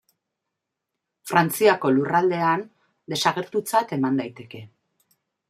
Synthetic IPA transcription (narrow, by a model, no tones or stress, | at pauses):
fɾant͡siako̞lurald̪e̞an | d̪e̞saɣ̞e̞ɾt̪ut͡sat̪e̞mand̪ajt̪e̞ke̞